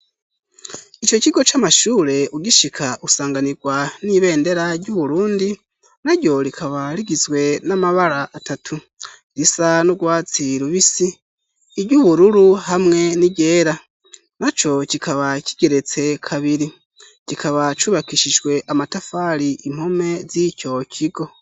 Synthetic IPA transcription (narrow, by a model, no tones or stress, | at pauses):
it͡ʃo̞ciɡo̞t͡ʃamaʃuːɾe̞uɡiʃikʰaʔusaːŋɡaniɡwaniβe̞ːnde̞ɾaɾɟuβuɾuːndi | naɾɟo̞ɾikʰaβaɾiɡizɡwe̞namaβaɾaʔːtatʰu | ɾisanuɡwaːt͡siɾuβisiː | ɾɟuβuɾuɾuɦamŋe̞niɟe̞ːɾa | nat͡ʃo̞cikʰaβaci̥ɡ̥e̞ɾe̞t͡se̞kʰaβiɾi | cikaβat͡ʃuːβakiʃid͡ʒɡwe̞ʔamatafaɾiʔim̥home̞zico̞cʰiɡo̞